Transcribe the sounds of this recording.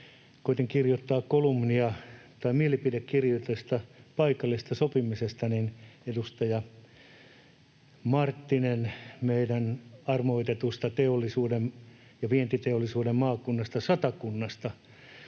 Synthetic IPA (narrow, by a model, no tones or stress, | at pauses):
koit̪iŋkirjot̪ːɑːkkolumniɑt̪ɑimielipidekkirjot̪est̪ɑpɑikɑlːist̪ɑsopimisest̪ɑninedust̪ɑjɑ | mɑrt̪ːinenmeidænɑrmoit̪et̪ust̪ɑt̪eolːˑisuːdem | jɑʋient̪it̪eolːˑisuːdemmɑːkunːɑst̪ɑsɑt̪ɑkunːɑst̪ɑ